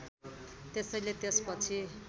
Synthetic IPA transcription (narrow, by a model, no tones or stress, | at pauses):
t̪esʌjlet̪espʌt͡sʰi